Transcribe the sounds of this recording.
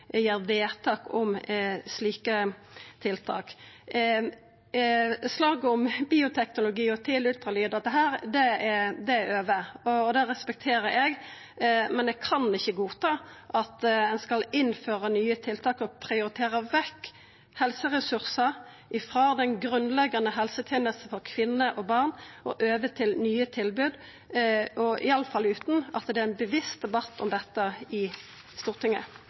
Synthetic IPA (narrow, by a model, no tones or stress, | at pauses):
jeːɾʋeːt̪ʰɑːkɔmsliːkət̪ʰɪlt̪ʰɑ̰ːk | slɑːɡəɔmbiːʊt̪ʰɛknʊlʊɡiːɔt̪ʰɪlʉlt̪ʁɑlyːd̪əd̪əɦæːɾd̪ɛɛd̪ɛæɾøːʋəɔd̪ɛɾɛspɛk̚t̪ʰeːɾəɾɛɡ | mɛnɛkʰɑnɪçːəɡuːt̪ʰɑːʔɑt̪ɛnskɑlɪnføːʁənyːət̪ʰɪlt̪ʰɑːkɔpʰɾɪʊɾɪt̪ʰeːʁəʋɛkː | hɛlsəʁɛsʉʁsə | ʔɪfɾoːd̪ɛnɡɾʉnlɛɡɑnəɦɛlsət̪ʰjeːnəlsn̩fɔɾkʰʋɪnːəʔɔbɑʁnɔ̰ʔøːʋət̪ʰɪlnyːət̪ʰɪlbʉːd̪ | ɔʔɪ̰ɑləfɑlʉːt̪n̩ɑt̪d̪ɛæɾɛnbəʋɪst̪̚d̪ɛbɑt̪ːɔmd̪ɛt̪ːəɪ | st̪uːʁt̪ʰɪŋːə̰